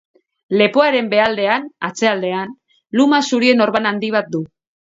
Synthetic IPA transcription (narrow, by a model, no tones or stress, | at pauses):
le̞po̞aɾe̞mbe̞ald̪e̞anat͡se̞ald̪e̞an | lumasuɾie̞no̞ɾβanand̪iβ̞at̪̚d̪u